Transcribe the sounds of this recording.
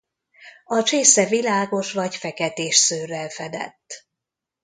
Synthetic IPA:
ɒt͡ʃeːsɛvilaːɡo̞ʃʋɒɟfɛkɛt̪eːʃsøːrɛlfɛd̪ɛ̰t̪ː

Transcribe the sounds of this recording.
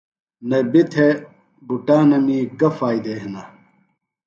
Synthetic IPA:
nɐbit̪ʰe | buʈaːnɐmiːkɐfaːjd̪eːɦnɐ

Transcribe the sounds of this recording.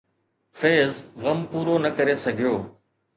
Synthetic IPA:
feːzɣɐmpuːɾonɐkɐɾesɐɡʱijoː

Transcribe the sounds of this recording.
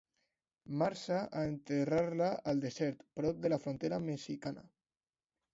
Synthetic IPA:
maɾsaʔaent̪eraɾlaalˠd̪ezɛɾt̪pɾɔp̚d̪əlafɾont̪eɾamesikana̰

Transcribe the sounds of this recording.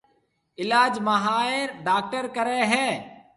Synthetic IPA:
ɪlaːd͡ʒməɦaːeɖaːk̚ʈəɾkəɾeːɦɛ̃ː

